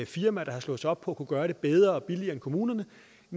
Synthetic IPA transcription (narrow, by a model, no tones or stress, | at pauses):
fiɐmæɾ̥ɑ̈hɑ̈slɔ̽ːð̩sɒ̽b̥̚pʰɒ̽ækʰuɡ̥ɶːɐɾe̝b̥eð̞ˠʁɐɒ̽b̥iliɐːenkʰo̝muːnɐnə | n